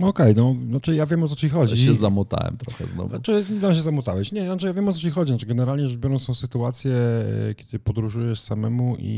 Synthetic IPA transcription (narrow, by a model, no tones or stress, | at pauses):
ɔkɛjnɔnat͡ʂɘjavʲjɛmɔt̪̬ɔt͡ɕixɔd͡ʑiɕɛzamɔt̪a̰wɛ̰mt̪ɾɔxɛ̰znɔ̰vnat͡ʂɨɲɛd̪amɕ̬ɛzamɔt̪awɛɕɲɛnat͡ʂɨjavʲjɛmɔt̪ɔt͡ɕixɔd͡ʑinat͡ʂɨɡɛnɛɾalɲɛɛʐvbʲjɔɾɔ̃ñsɔ̃w̃sɘt̪uat̪sʲjɛkʲjɛd̪ɘpɔd̪ɾuʐujɛʂsamɛmuʔḭ